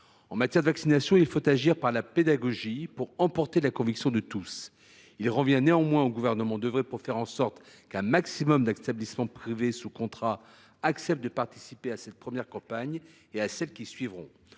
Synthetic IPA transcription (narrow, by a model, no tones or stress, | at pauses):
ɑ̃mat̪jɛʁd̪əvaksinasjɔ̃ilfot̪aʒiʁpaʁlaped̪aɡɔʒipuʁɑ̃pɔʁt̪elakɔ̃viksjɔ̃d̪ət̪us | ilʁəvjɛ̃neɑ̃mwɛ̃oɡuvɛʁnəmɑ̃d̪əvʁɛpuʁfɛʁɑ̃sɔʁt̪ | kɛ̃maksimɔmd̪ɛt̪ablismɑ̃pχivesukɔ̃t̪χa | aksɛpt̪̚d̪əpaʁt̪i̥sipeasɛt̪̚pχəmjɛʁkɑ̃paɲ | easɛlkʲisɥivʁɔ̰̃